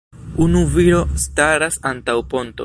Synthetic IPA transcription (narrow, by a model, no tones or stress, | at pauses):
unuviɾo̞staɾasantawpo̞nto̞